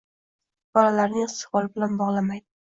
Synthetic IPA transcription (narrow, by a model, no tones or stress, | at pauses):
b̥ɒlalaɾnɪŋst̪ɪ̥vɒlˠɪbɪlanbɒʁlˠamajd̪ɪ